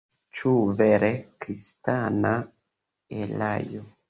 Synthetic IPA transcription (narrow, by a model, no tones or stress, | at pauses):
t͡ʃuveɾekɾistana | ela̰jo